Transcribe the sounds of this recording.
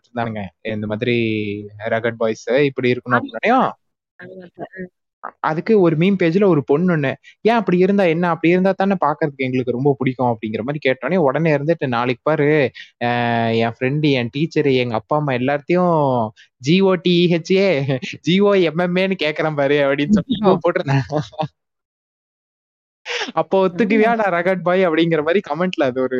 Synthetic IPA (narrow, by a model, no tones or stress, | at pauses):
ɾɯnd̪aːŋɡɐɪnd̪ɐmaːðɪɾi | ɾɐɣɐʈ̚baːjsɪpːɐɽiɪɾɯkːɐnʊ̃ɐpɽinaːɳɐjõ | ʔɐ̰ðɯkːɯɔɾɯmiːmpeːd͡ʒɪlɐɔɾɯpɔɳːɯnːɯjɛ̃ːɐpːɐɽiɪɾɯnd̪aːɛnːɐɐpːɐɽijɪɾɯnd̪aːt̪aːnãpaːɾkɯɾɐðɯkːɛŋɡɐɭɯkːɯɾɔmbɐpʊɽɪkːʊ̃ɐpːɐɽɪŋɡɪɾɐmaːðɾikeːʈ̚ːõːnɐjõɔɽɐneːɪɾɯnd̪ɯʈːɯnaːɭɪkːɯ̥pːaːɾɯ̃ | ɛ̃ːfɾɛɳɖɯɛ̃ːʈiːt͡ʃːɐɾɛŋɡɐɐpːaːɐmːaːɛlːaːɾɐt̪ːɐjʊ̃ | d͡ʒioːʈiiɛt͡ʃːeːd͡ʒiːoːɛmɛmeːnːɯkeːʈkːɐɾampaːɾiɐpːɐɽɪnːsɔpːipoːʈːɯɾɯnãː | ɐpːoːɔt̪ːɯk̬ːɯʋjaːnãːɾɐɣɐʈ̚baːjɐpːɐɽɪŋɡɪɾɐmaːd̪ɾikɐmɛɳʈlɐɐðɯɔɾɯ